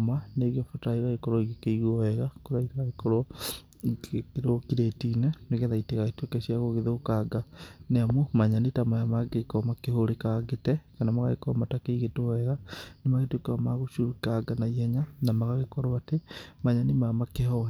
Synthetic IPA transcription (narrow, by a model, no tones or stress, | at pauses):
maneɣafotaiɣaɣekɔɾɔiɣekeiɣɔɛɣakoɾaiteɣaekɔɾɔ | kɾokiɾetinɛneɣeðaiteɣaetwekɛɕiaɣoɣeðokaɡaneamomaɲanitamajamaɡekɔmakehoɾekaɡetɛkanamaɣaɣekɔmatakeiɣetoɔɛɣanemaɣetwekeamaɣoʃoikaɡanaiɛɲanamaɣaɣekɔɾoatemaɲanimamakehɔɛ